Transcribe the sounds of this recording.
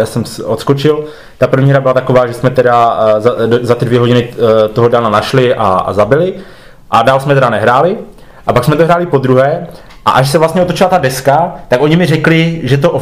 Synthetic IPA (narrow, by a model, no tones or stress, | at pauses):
jaːsɛmsʔot̪skot͡ʃɪl | t̪apr̩vɲiːɦɾabɪlat̪akovaːʒɛsmɛt̪ɛdazazat̪ɪdvjɛɦo̞ɟɪnɪt̪oɦodananaʃlɪʔa̰zabɪlɪ | ʔadaːlsmɛt̪ɛɾanɛɦɾaːlɪ | ʔapaksmɛt̪oɦɾaːlɪpo̞d̪ɾuɦɛː | ʔa̰ʔaʃsɛvlast̪ɲɛʔot̪ot͡ʃɪlat̪adɛskat̪ako̞ɲɪmɪrɛklɪʒɛt̪oʔo